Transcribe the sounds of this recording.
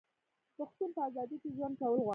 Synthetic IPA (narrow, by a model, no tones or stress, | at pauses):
p̪ʊxt̪unpəazɑd̪ikeʒwand̪̚kawəlɣwa